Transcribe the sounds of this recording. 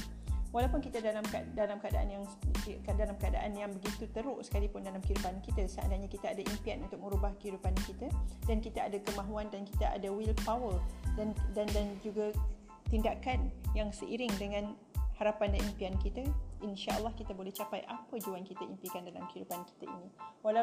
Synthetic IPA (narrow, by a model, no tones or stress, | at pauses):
walawpʊnkit̪ədalamkdalamkəadaʔa̰njaŋkdalamkəada̰ʔanjaŋbəɡit̪ut̪əɾʊʔsə̥kalipʊndalamkəidupankit̪asəa̰daɲakit̪aadaʔimpianunt̪ʊk̚mə̃ɾubahkəɦidupankit̪adankit̪aadakəmãɦuandankit̪aʔa̰dawilpawəldandandand͡ʒuɡa | t̪indakanjaŋsəʔiɾɪŋdəŋãn | haɾapandanimpiankit̪aʔinʃaʔə̰lːɑhkit̪abolɛht͡ʃapajʔapəd͡ʒuankit̪aimpikandalamkəɦidupanki̥t̪aḭniwala